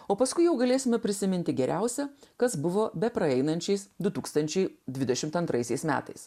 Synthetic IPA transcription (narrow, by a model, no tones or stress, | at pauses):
oːpɐskʊɪjɛʊɡɐlʲeːsʲɪmʲɛpʲɾʲɪsʲɪmʲɪnʲt̪ʲɪɡʲɛɾʲʔæʊsʲɛkɐsbʊʋoːbʲɛpɾɐɛɪnɐnʲt͡ʃʲɛɪsd̪ʊt̪uːkst̪ɐnʲt͡ʃʲɛɪd̪ʲʋʲɪd̪ʲɛʃʲɪmt̪ɐnt̪ɾʔɐɪsʲɛɪsmʲæ̰ːt̪ɐɪs